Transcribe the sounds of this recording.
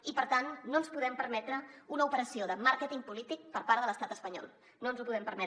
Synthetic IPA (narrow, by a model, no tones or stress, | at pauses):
ipəɾt̪anːoənspuðɛmpəɾmɛt̪ɾəunəupəɾəsioðəmaɾkət̪iŋpulit̪ik̚pəɾpaɾðələst̪at̪əspəɲɔ̰lˠ | noənzupuðɛmpəɾmɛ